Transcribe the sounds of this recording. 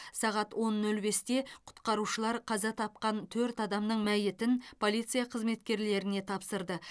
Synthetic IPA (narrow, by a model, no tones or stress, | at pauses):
sɑʁɑt̪wo̞nːɵlbe̞st̪e̞qʰʊ̥t̪qɑɾuʃəlˠɑɾqʰɑzɑt̪ʰɑp̚qɑnt̪ʰɵɾt̪ɑd̪ɑmnəɴmæjɪt̪ɪnpʰo̞lˠijt̪sɨjɑqʰəzme̞t̪kʲe̞ɾle̞ɾɪne̞t̪ʰɑpsəɾd̪ə